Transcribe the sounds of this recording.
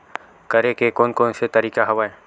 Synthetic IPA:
kɐɾekekoːnkoːnset̪ɐɾiːkaɦɐʋaẽː

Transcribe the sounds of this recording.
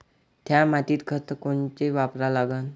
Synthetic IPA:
t̪ʰjamat̪iːt̪kʰət̪əkont͡ɕeʋapɾalaɡən

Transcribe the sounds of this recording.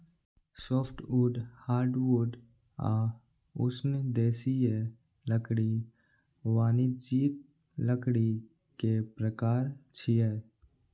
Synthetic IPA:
soːpʰʈuːɖhaːɾɖwuɖ | a̰ | ʊsnd̪eːsie | ləkɽi | waːnid͡ʒiːt̪̚ | ləkɽi | kepɾəkaːɾt͡ʃʰiɛː

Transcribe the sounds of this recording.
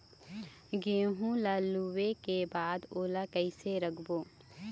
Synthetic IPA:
ɡeːɦũlaːluwekebaːd̪oːlakɛɪseɾɐkʰboː

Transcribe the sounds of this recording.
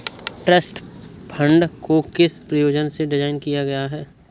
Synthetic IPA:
ʈɾəsʈpʰə̃ɳɖkokɪspɾɐjoːd͡ʒənseɖɪd͡ʒaːɪnkijaɡɐjaɦɛː

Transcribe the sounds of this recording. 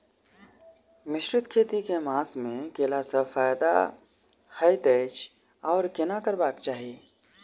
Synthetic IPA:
mɪʃɾʊt̪kʰeːt̪ikemaːsmẽkeːlasəfaːjd̪a̰ | həjt̪eːt͡ʃ | ɔːɾkɪnakəɾbaːkt͡ʃaːɦieː

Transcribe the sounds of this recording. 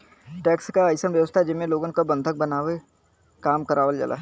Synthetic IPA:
ʈɛːkskaːɪsənʋjəʋəst̪ʰaɦd͡ʒɪmẽloːɡənkabə̃nd̪ʱək̚bənaːwe | kaːmkəɾʔaːʋəld͡ʒa̰ːlʔa̰ː

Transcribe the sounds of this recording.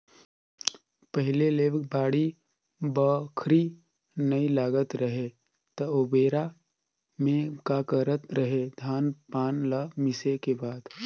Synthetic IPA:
pəɦɪleleːbbaːɽi | bəkʰɾi | nəilaːɡət̪ɾəɦe | t̪əobeːɾa | mẽkakəɾət̪ɾəɦed̪ʱaːnpaːnlamɪsekebaːd̪

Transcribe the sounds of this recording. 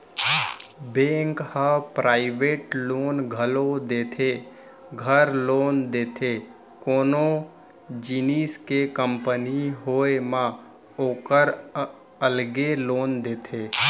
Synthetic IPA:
bẽːŋkhə̃pɾaːɪʋeːʈloːnɡʱəlod̪eːt̪ʰe | ɡʱəɾloːnd̪eːt̪ʰe | koːno | d͡ʒiniskekəmpəniɦoːemã | oːkəɾ | əlɡeloːnd̪eːt̪ʰeː

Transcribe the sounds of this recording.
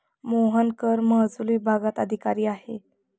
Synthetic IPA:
moɦənkəɾməɦd͡zliːbʱaɡat̪əd̪ʱikaɾiːahe

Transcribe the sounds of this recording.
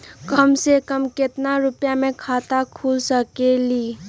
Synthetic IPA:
kəmsekəmkɪt̪naɾʊpjamẽkʰaːt̪akʰuːlsəkeliː

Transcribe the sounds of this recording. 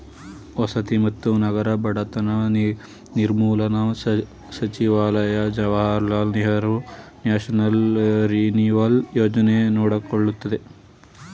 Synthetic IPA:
ʋɐsɐt̪imɐt̪ːunɐɡɐɾɐbɐɽɐt̪ɐnɐn | niɾmuːlɐnɐ | sɐt͡ʃiʋaːlɐjɐd͡ʒɐʋaːɾlaːlniɦɐɾunjaːʃɐnɐlɾiniʋɐljoːd͡ʒɐnenɔːɽɐkoɭːut̪ːɐd̪e

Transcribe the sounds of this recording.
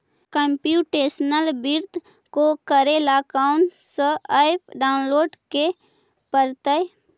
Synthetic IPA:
kəmpjuːʈeːsnəlbiɾd̪ | kokəɾelaːkaʊnsəaɪpʰɖaːʊnloːɖke | pəɾt̪əj

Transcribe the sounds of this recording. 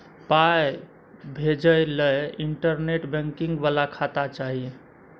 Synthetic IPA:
paj | bʱed͡ʒəjləiɳʈəɾneʈbɛ̃ŋkiŋɡbalakʰat̪at͡ʃaɦi

